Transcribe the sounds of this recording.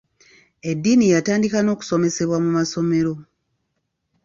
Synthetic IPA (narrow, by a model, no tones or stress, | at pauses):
e̞dːiːnijataːndikano̞ːku̥so̞me̞se̞βwamumaso̞me̞ɾo̞